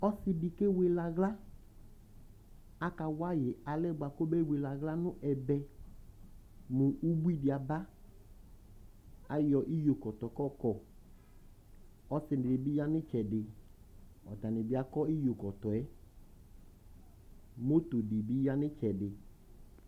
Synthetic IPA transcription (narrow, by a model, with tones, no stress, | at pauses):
ɔ˦sɪ˦bɪ˨ke˦we˨la˨ɣla˦ | a˦ka˨wa˦jɪ˨a˨lɛ˦˨ba˨ko˦bɛ˦˨we˨la˨ɣla˦nʊ̃˦ʔɛ˨bɛ˦ | mʊ˨ʔu˦bu˦i˦dɪ˨a˨ba˦ | a˨jɔ˨ʔi˦jo˨kɔ˨t̪ɔ˨kɔ˦kɔ˨ | ɔ˦sɪ˨nɪ˨dɪ˨bi˦ja˦nɪ˦t͡ʃɛ˨dɪ˨ | ɔ˨ta˨nɪ˨bɪ˨˦a˨kɔ˦i˦jo˨kɔ˨tɔ˨ɛ˦ | mo˦t̪o˨di˨bi˦ja˦nɪ˦t͡ʃɛ˨dɪ˨